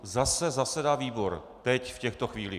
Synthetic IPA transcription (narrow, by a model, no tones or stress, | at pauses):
zasɛzasɛdaːviːbo̞ɾ | t̪ɛcfcɛxt̪o̞xviːlḭ